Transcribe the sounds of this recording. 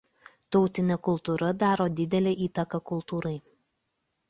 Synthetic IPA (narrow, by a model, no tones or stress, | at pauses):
t̪ɒʊt̪ʲɪnʲɛkʊlˠˑt̪uɾɐd̪ɑːɾoːd̪ʲɪd̪ʲɛlʲeːʔiːt̪ɐkɐkʊlˠt̪uːɾɐɪ